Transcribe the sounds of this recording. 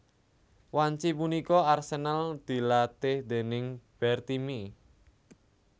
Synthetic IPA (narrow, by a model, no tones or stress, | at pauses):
waɲt͡ʃipunikɔarsenald̪̥i̤lat̪ɪhd̪̥e̤nɪŋb̥ɛrt̪imi